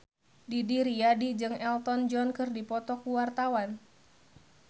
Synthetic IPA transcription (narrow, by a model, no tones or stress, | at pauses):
didiɾiadid͡ʒɨŋɛlt̪ɔnd͡ʒɔnkɨrdipɔt̪ɔkuwart̪awan